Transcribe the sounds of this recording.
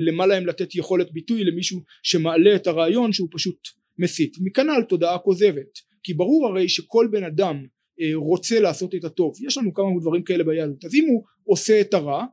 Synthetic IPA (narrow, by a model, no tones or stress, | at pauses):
le̞malaemlate̞tjeχo̞le̞t̚bitujle̞miʃu | ʃe̞maːle̞ːtaʁaːjo̞nʃeupaʃut | mesitmikanalto̞daako̞ze̞ve̞t | kibaʁuʁaʁe̞jʃe̞kʰo̞lbe̞nadam | ʁo̞t͡se̞laːso̞tetato̞vjeʃlanukamaudvaʁimkae̞le̞bajadotazimu | o̞se̞ːtaʁa